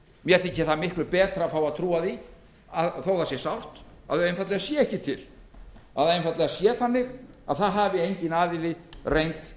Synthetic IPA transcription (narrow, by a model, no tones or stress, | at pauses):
mjɛɾθɪcːɪ̥θamɪhklʏpɛːt̪ɾafawaðt̪ʰɾuːaði | aðθawθasjɛsawr̥t̪a̰ðejnfat̪lɪɣasjɛɛhcɪt̪ʰɪl̥ | a̰ðejnfat̪lɪɣasjɛːθanːɪɣa̰ðθaðɦaːvɪejɲcɪnaːvɪlɪrejnt̪